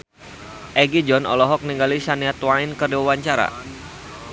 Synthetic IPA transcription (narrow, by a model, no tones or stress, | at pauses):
ʔɛɡid͡ʒɔnɔ̰lɔɦɔk̚niŋɡalisaniat̪waɪnkəriwawaɲt͡ʃaɾa̰